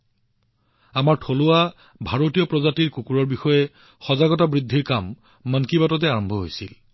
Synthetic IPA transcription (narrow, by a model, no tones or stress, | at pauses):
amaɹtʰolʊa | bʱaɹotijɔpɹɔzatiɹkukuɹɔɹbixɔjɛ | xɔzaɡɔtabɹidʱːiɹkamː | ankibatɔt̬ɛaɹɔmbʱɔɦojsil